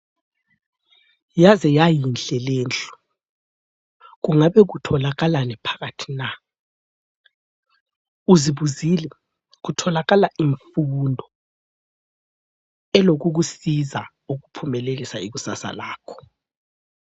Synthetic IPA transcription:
jazɛjajinɬɛleːnt͡ɬʼu̥ | ɣ̬uŋaɓɛɣ̬utʰɔlaɣalanɛpʰḁɣatʰi̥na | uziβuzilɛ | ɣ̬utʰɔlaɣalaʔiɱfundʱɔ | ɛloɣuɣ̬usiza | uɣupʰumɛlelisaiɣusa̰sa̰laːkʰɔ̥

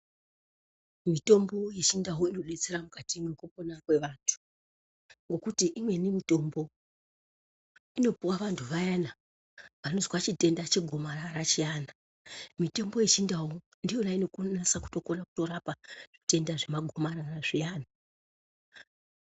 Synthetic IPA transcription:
mito̞mbo̞jet͡ʃindaɦoino̞ɗet͡seɾamukatimwekuponakwe̞ʋaːntʰu̥ | ŋɡo̞kutiʔimwe̞nimito̞mbo̞ | ino̞puwaʋantʰuʋajana | ʋano̞zikwat͡ʃite̞ndat͡ʃeɡʱo̞maɾaɾat͡ʃijana | mite̞mbo̞jet͡ʃindawo | ndijo̞naino̞kunasaku̥to̞konaku̥to̞ɾapaʐ̥ite̞ndaʐe̞maɡʱo̞maɾaraʐijaːna

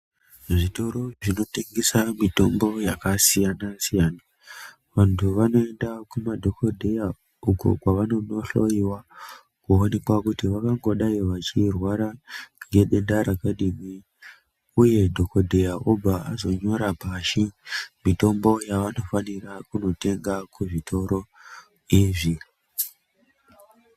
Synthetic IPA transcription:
ʐito̞ɾo̞ʐino̞teŋɡesamito̞mbo̞jakasijanasijaːna | ʋantʰuʋano̞e̞ndakumadʱokʰodʱeja | uko̰kwaʋano̞noɬo̞jiwa | kuone̞kwakutiʋakaŋɡo̞ɗaiʋat͡ʃirwaɾaŋɡe̞ɗe̞ndaɾakaɗimi | uje̞dʱo̞kodʱe̞jaʔobʱaazo̞ɲo̞ɾabʱaʃimito̞mbo̞jaʋano̞fanirakuno̞te̞ŋɡakuʐitʰo̞ɾo̞ | iʐi

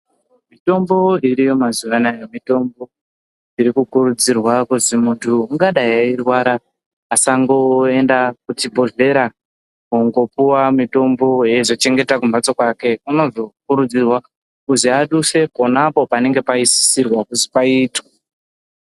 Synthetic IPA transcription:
mito̞mbo̞iɾijo̞mazuʋanajemito̞mbo̞ | iɾikukuɾud͡zirwakuzimuntʰuuŋɡaɗajairwaɾaː | saŋɡo̞e̞ndakutibʱo̞ɮe̞ɾa | kuŋɡo̞puwamito̞mbo̞je̞ʐot͡ʃe̞ŋɡe̞takumbat͡so̞kwake̞uno̞zo̞kuɾud͡zirwa | kuziaɗuse̞po̞napo̞pane̞ŋɡe̞paisi̥sirwakuzipaiːta

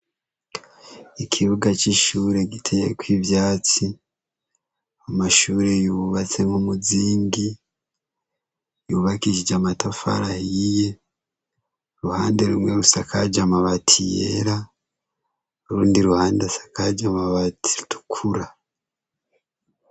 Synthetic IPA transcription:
ekʰiβuɡat͡ʃiʃuːɾe̞ɟitʰejekwivjaːt͡si | amaʃuːɾe̞juβat͡se̞ŋomuziːŋɡi | juːβakiʃid͡ʒamatafa̰ɾahiije̞ | ɾuhaːndeɾumwe̞ɾusakʰad͡ʒamaβatʰijḛɾa | ɾuːndiɾuhaːndasḁkad͡ʒamaβatʰi̥tʰu̥kʰuɾa

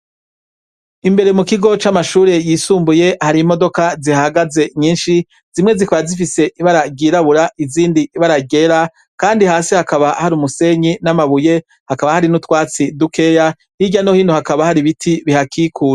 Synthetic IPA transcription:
imbe̞ɾe̞mukiɡo̞t͡ʃamaʃuːɾe̞jiːsuːmbuje̞haɾimo̞do̞kazihaɡaze̞ɲiːnʃi | z̥imŋe̞zikaβazifise̞ʔiβaɾaɡiːɾaβuɾaʔiziːndiːβaɾaɟe̞ɾa | kaːndihaːsihakaβahaɾumuse̞ɲinamaβuje̞ | hakaβahaɾinutwaːt͡sidukʰe̞ːja | hiɟano̞hiːnohakaβahaɾiβitʰiβihakikʰuːɾ

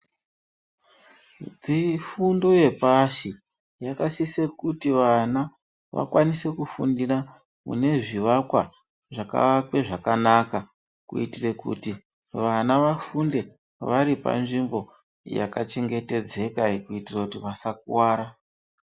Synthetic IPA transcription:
d͡zifundo̞je̞paʃi | jakasisekutiʋana | ʋa̰kwanise̞kufundira | mṵne̞ʐiʋakwa̰ | ʐaka̰akweʐakanaka | kṵitirekṵti | ʋanaʋafunde̞ | ʋaɾipa̰nʐimbo̞ | ja̰kat͡ʃe̞ŋɡe̞te̞d͡ze̞kaikuitirakutiʋasak̚uwaːɾa

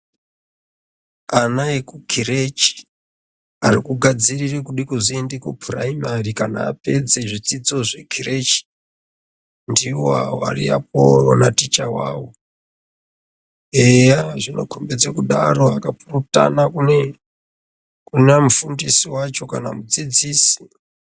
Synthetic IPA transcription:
anajekukʰiret͡ʃi̥ | arikuɡʱad͡zirirekuɗikuziendekupʰura̰imarikana̰ːpe̞d͡ze̞ʐit͡sid͡zo̞ʐe̞kʰiret͡ʃi̥ | ndiwoa̰a̰rḭa̰p̚oro̰natit͡ʃawa̰ːwo | ejaʐino̞̰kʰombed͡zekuɗaro̞akapuruta̰nakune | kunemufundisiwat͡ʃo̞kana̰mud͡zid͡ziːsi̥

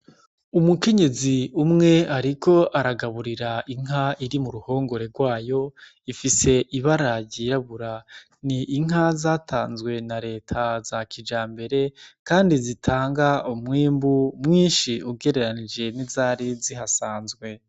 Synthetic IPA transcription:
umuke̞ɲe̞ziumŋe̞aɾikʰo̞ʔaɾaɡaβuɾiɾaʔiŋ̥ɦaiɾimuɾuho̞ːŋɡo̞ɾe̞ɾɡwaːjo̞ | ifise̞ʔiβaɾaɟiɾaβuɾa | niʔːŋ̥ɦazaːtʰaːnzɡwe̞naɾe̞ːtʰazakʰid͡ʒaːmbe̞ɾe̞kaːndizitʰaːŋɡaumŋiːmbumŋiːnʃiuɡe̞ɾe̞ɾanid͡ʒe̞nizaːɾiziɦasaːnzɡwe̞

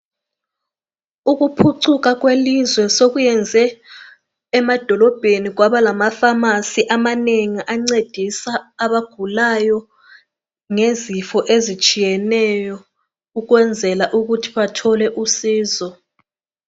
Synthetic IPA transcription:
uɣupʰuǀʰuk̬aɣ̬welizwɛsoɣujɛnd͡zʱɛː | mad̥ʱɔlɔb̥ʱeniɣ̬waβalamafamasiʔamaneŋiʔaŋ͡ǀed̥ʱisaːβaɡ̥ʱulajɔ | ŋezifɔʔezit͡ʃʼijɛnɛjɔ | uɣ̬wɛnd͡zʱɛlaʔuɣutʰi̥βatʰɔlɛʔusiːzɔ

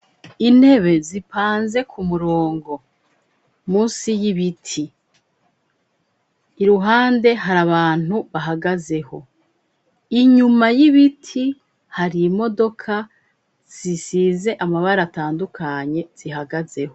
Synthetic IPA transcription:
in̥he̞βe̞zipaːnze̞kʰumuɾo̞ːŋɡo̞ | muːsijiβitʰi | ɾuɦaːnde̞ɦaɾaβaːn̥huβaɦaɡaze̞ho̞ | iɲumajiβitʰi | haɾimo̞do̞kʰa | z̥isize̞ʔamaβaɾataːndukʰaɲe̞z̥iɦaɡaze̞ho̞

